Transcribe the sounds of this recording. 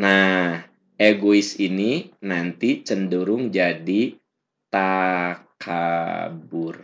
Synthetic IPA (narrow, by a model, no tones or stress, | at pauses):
nah | ʔeɡoisininant̪it͡ʃənduɾʊŋd͡ʒadi | t̪akʰabʊr